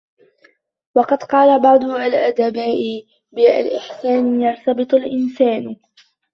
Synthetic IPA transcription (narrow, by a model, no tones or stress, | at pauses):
wɑqɑd̪qɑːlabɑʕd̪ˤʊʔalʔad̪abaːʔɪ | bɪa̰lʔɪħsaːnjɑɾˤt̪ɑbɨt̪ˤʊlʔɪnsaːn